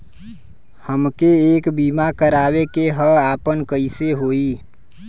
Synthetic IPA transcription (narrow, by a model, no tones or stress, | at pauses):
həmkeeːkbiːmakəɾaːwekeɦəaːpənkəɪseɦoːiː